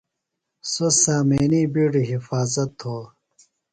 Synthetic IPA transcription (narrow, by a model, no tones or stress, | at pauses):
sosaːmeːnibiɖiɦifaːzɐt̪hoː